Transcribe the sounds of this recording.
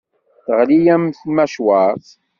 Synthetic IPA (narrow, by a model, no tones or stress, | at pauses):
θəʁlijæmθmæʃwaθ